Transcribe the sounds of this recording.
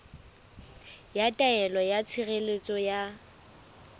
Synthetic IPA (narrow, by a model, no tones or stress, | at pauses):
jatʼaɛlɔjat͡sʰiɣelet͡sʼɔja